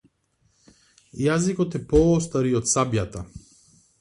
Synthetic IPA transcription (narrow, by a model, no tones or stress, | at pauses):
jazikɔt̪ɛpɔɔst̪aɾiɔt̪sabjat̪a